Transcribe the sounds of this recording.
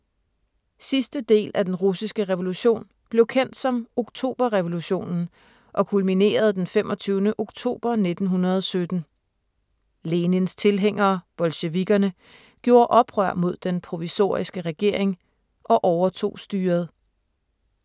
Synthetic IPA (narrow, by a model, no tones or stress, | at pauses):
sisd̥əd̥e̝̰ːlʔæd̥enʁusisɡ̥əʁɛʋo̝luɕo̝̰ːn | b̥le̝ʊkʰen̰d̥sɒ̽mo̝ɡ̥t͡sʰo̝̰ːb̥ɐʁɛʋo̝luɕo̝̰ːnn̩ | ʔɒ̽kʰulmine̝̰ːɐð̞̩ˠd̥enfemʔɒ̽t͡sʰyːʊnəʔo̝ɡ̥t͡sʰo̝̰ːb̥ɐne̝d̥n̩ɦunɐð̞ˠɒ̽sød̥n̩ | leːnənst͡sʰe̝lɦeŋ̰ɐːb̥ɒ̽lɕe̝ʋiɡ̥ɐnə | ɡ̥jo̝ːɐʔɒ̽b̥ʁɶɐ̰mo̝ð̞̰ˠd̥enpʰʁo̝ʋiso̝̰ːɐisɡ̥əʁɛɡ̥e̝ɐ̰e̝ŋ | ʔɒ̽ʔɒʊɐt͡sʰo̝̰ːsd̥yːɐð̞̩ˠ